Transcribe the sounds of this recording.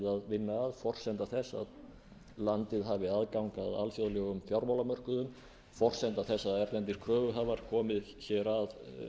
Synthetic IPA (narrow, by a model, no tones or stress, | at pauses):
ðaðvɪnːaːðfɔr̥sɛnt̪aθɛsːa̰ð | lant̪ɪðɦaːvɪaðkawŋkaða̰lfjoðlɛɣʏmθjawɾmawlamœr̥kʏðʏm | fɔr̥sɛnt̪aθɛsːaðɛɾt̪ɛnt̪iɾ̥kʰɾœːvʏɦavaɾ̥kʰɔːmɪð | çɛːɾað